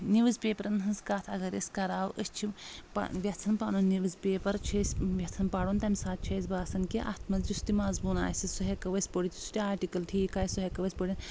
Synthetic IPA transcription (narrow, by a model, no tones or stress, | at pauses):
niʋɨzpeːpɐɾɐnɦɨnzkaːt̪ʰɐɡɐɾɐ̰sʲkɐɾaːwʔəst͡ʃʰipɐ̰ʋʲɐt͡s̪ʰɐnpanunniʋɐzpeːpɐɾt͡ʃʰɐsʲʋʲɐt͡s̪ʰɐnpɐɽont̪ɐmisaːt̪̚t͡ʃʰɐz̬ʲbaːsɐnkiʔɐ̰t̪ʰmɐzd͡ʒust̪imaːzbuna̰ːsʲisuɦekɐʋɐsʲpoɽit̪ʰʲu̥st̪ʲiaːɾʈikɐlt̪ʰiːkaːjsuɦekɐʋɐsʲpoɽʲin